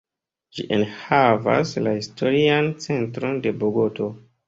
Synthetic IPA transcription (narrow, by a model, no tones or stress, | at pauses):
d͡ʒḭʔenhava̰slahisto̞ɾiant͡se̞ntɾo̞nde̞boɡo̞to̞